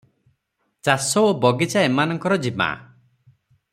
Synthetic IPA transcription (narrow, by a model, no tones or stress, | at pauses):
t͡ʃasɔobɔɡit͡ʃaemanɔŋkɔɾɔd͡ʒima̰